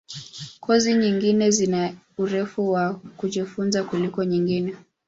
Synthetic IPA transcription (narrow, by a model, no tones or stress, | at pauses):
kʰɔziɲiŋɡinɛzina | uɾɛfuwakuʄifunzakulikɔɲiŋɡinɛ